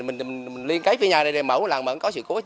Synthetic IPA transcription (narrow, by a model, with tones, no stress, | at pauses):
mï˨˩ŋmi˨˩ŋmi˨˩ŋ̟li˧ənka˨˦jfi˧ə˦ɲaː˨˩ə˧˩jɗa˨˩mə˨˧˩wla̰ː˨˩mə̰˧˨˦kɔ˨˦sɨ̰˧˨ko˨˦